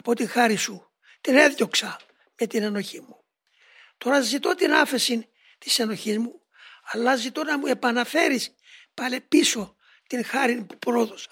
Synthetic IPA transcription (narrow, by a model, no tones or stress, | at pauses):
ɐpo̞t̪iŋxɐɾisu | t̪ine̞ðʝo̞ksɐ | met̪ineno̞çimu | t̪o̞ɾɐzit̪o̞t̪inɐfe̞sin | t̪i̥se̞no̞çizmu | ɐlːɐzit̪o̞nɐmue̞pɐnɐfe̞ɾis | pɐle̞piso̞ | t̪inxɐɾinpu̥pɾo̞ðosɐ